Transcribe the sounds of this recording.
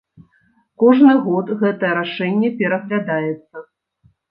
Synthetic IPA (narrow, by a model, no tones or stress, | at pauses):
kɔʐnɨɣɔt̪ɣɛt̪ɐjɛɾaʂɛnʲːɛpʲɛɾɐɣlʲad̪ajɛt̪sːɐ